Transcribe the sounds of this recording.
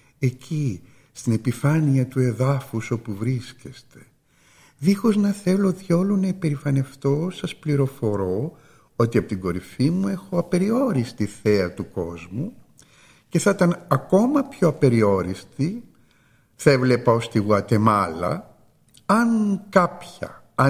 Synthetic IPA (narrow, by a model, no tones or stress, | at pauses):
e̞ci | st̪ine̞pifɐniɐt̪ue̞ðɐfuso̞puvɾisce̞st̪e | ðixo̞znɐθe̞lo̞ðʝo̞lonɐipe̞ɾifɐne̞ft̪o̞sɐspliɾo̞fo̞ɾo̞ | ot̪iɐpot̪iŋɡo̞ɾifimue̞xo̞ɐpe̞ɾio̞ɾist̪iθe̞ɐt̪uko̞zmu | ce̞θɐt̪ɐnɐko̞mɐpçoɐpe̞ɾio̞ɾist̪i | θɐevle̞pɐo̞st̪iɣuɐt̪e̞mɐlɐ̰ | ɐŋkɐpçɐ̰ | ɐ